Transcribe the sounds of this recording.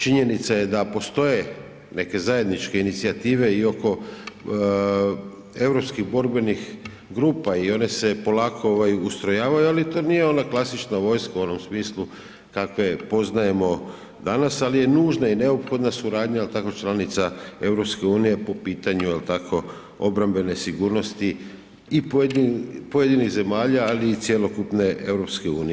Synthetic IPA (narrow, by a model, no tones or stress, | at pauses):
t͡ʃiɲe̞nit̪saje̞d̪apo̞st̪o̞je̞ | ne̞ke̞zaje̞d̪nit͡ʃke̞init̪siat̪iːʋe̞io̞ko̞ | e̞ʋɾopskiɣbo̞ɾbe̞nix | ɡɾuːpaio̞ne̞se̞po̞laːkʰo̞oʋajuust̪ɾo̞jaːʋajualit̪o̞ːnije̞o̞naklˠasit͡ʃnaʋo̞jskauo̞no̞msmiːslu | kakʋe̞po̞znaje̞mo̞ | d̪anasalije̞nuːʒnaine̞opxo̞d̪nasuɾaːd̪ɲajelt̪ako̞t͡ʃlˠanit̪sae̞vɾo̞pske̞uːnije̞po̞piːt̪aɲuelt̪akʰo̞ | o̞bɾambe̞ne̞siɡuːɾno̞st̪iː | pepoje̞d̪iniɣze̞maːʎaːliːt̪sjelo̞kupne̞e̞ʋɾopske̞ṵːni